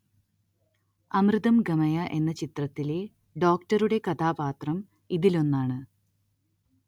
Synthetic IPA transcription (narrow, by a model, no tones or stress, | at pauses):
ɐmrɨðɐmɡɐmɐjɐʔe̞nːɐt͡ɕit̪rɐt̪ːile̞ | ɖo̞ːkʈɐɾuɽe̞kɐt̪ʰaːbaːt̪rɐm | iðilo̞nːaːɳɨ